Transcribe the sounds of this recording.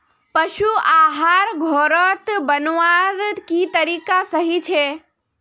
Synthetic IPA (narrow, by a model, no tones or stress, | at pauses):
pəʃuaːɦaːɾɡʱoːɾət̪bənʋaɾkit̪əɾiːkasəɦit͡ʃʰe